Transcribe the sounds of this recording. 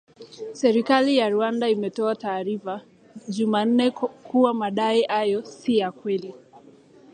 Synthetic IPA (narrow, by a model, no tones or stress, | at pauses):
sɛɾikalijaɾuandaimɛtɔataːɾifa | ʄuman̩nɛkuwamaɗaiʔajɔsijakwɛli